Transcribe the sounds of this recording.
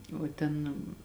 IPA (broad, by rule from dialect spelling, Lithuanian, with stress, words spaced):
oː ˈtʲɛn